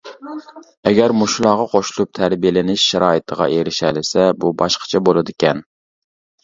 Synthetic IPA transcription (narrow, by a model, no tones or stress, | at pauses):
ɛɡʲæɾmuʃlˠɑːʁɑqʰoʃlˠup̚t̪ʰæɾbijelɪnɪʃːæɾɑːit̪ʰəʁɑ̰ʔeɾɪʃælɪsɛbubɑʃqʰə̥t͡ʃʰɛbolˠɨd̪ɪkʲɛn